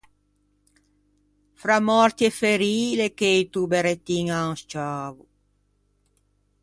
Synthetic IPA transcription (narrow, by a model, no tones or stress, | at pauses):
fɾamɔɾt̪jefeɾiːlekeit̪ubeɾet̪ːiŋaust͡ʃaːvu